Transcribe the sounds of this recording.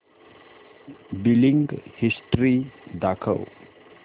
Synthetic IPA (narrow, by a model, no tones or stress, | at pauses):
biliŋɡhisʈɾid̪akʰa̰w